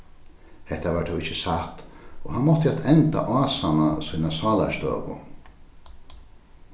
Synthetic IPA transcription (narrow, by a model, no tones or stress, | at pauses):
hɛht̪aʋaːʈt̪ʰɔwɪt͡ʃːəsat̪oːɦanmɔht̪əaːt̪ʰɛnt̪a̰ʔaːsanasiːnasɑːla̰ʃt̪ø̰ːʋʊ̰